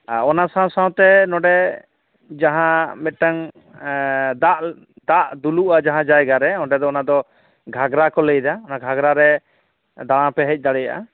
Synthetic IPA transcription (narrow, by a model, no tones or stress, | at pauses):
aɔnasãw̃sãw̃t̪ɛnɔɖɛ | d͡ʒaɦãmɛʈaŋ | d̪aʔ | d̪aʔd̪uluʔad͡ʒaɦãd͡ʒajɡaɾɛɔ̃ɖɛd̪ɔɔnad̪ɔ | ɡʱaɡɾakɔləjd̪aɔnaɡʱaɡɾaɾɛ | d̪aɽ̃ãpɛɦɛc̚ˀd̪aɽɛjaʔa̰